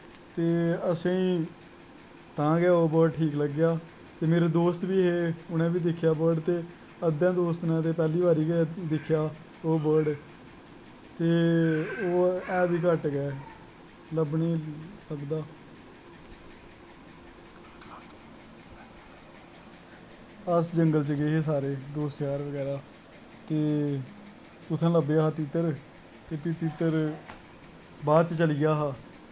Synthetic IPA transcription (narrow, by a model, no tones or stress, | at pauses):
t̪eːəsẽːĩː | t̪ãːɡjaːoːbəʈʰiːkləɡːɪjaː | t̪eːmeːɾeːd̪oːst̪biːɦeːʊnɛ̃ːbiːd̪ɪkʰːjaːbəɖt̪eː | əd̪ɛ̃ːd̪oːst̪nɛ̃ːt̪eːpɛːliːʋaːɾiːɡd̪ɪkʰːjaː | oːbəɖ | t̪eːoːɛːbiːk̬əʈɡɛː | ləbniːləɡd̪aː | əsd͡ʒəŋɡəlt͡ʃəɡeːɦeːs̬aːɾeːd̪oːsjaːɾʋəɡɛːɾaː | t̪eː | ʊt̪ʰːãːləbeːɦaːt̪ɪt̪ːəɾ | t̪eːpit̪ɪt̪ːəɾ | baːd̪̚t͡ʃt͡ʃəlɪjaːɦaː